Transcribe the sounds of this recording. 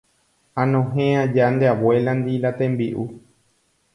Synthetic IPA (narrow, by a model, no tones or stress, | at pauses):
ãnõɦẽãd͡ʒand̪eawweland̪ilat̪ẽmbiʔu